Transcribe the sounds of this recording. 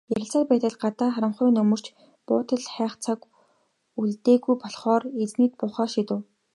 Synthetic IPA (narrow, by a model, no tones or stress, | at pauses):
jæɾʲɪ̆ɬt͡saːrpæːt̪ə̆ɮɢat̪aːχaɾə̆mχʊːnɵmɵ̆r̥t͡ɕ | pʊːt̪ʰə̆ɮχæːχt͡sʰak | uɮt̪eːɣujpɔɮχɔːret͡sniːt̪̚pʊːχɔːʃit̪ɘ̆w